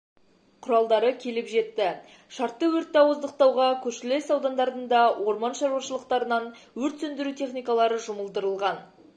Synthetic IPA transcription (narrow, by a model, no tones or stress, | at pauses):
qʰʊɾɑlˠd̪ɑɾəkʲʰe̞lɪpʒe̞t̪ːɪ | ʃɑɾt̪ːəwɵɾt̪ːɑwozd̪əq̚t̪ɑwʁɑkʲʰɵɾʃɪle̞sɑwd̪ɑnd̪ɑɾd̪ənd̪ɑwʔo̞ɾmɑnʃɑɾwɑʃəlˠəq̚t̪ɑɾənɑnwɵɾt̪sɵnd̪ɪɾut̪ʰe̞χnijkɑlˠɑɾəʒʊməlˠd̪əɾəlˠʁɑn